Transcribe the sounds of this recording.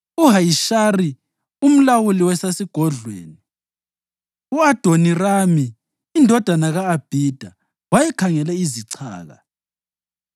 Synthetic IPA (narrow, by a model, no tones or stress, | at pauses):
uɦajiʃari | um̩lawuliwɛsasiɡ̥ʱɔɮwḛːni | uad̥ʱoniramiː | ndʱɔd̥ʱanaɣaːb̥ʱid̥ʱa | wajɛkʰaŋɛlɛiziǀʰa̰ːɣa̰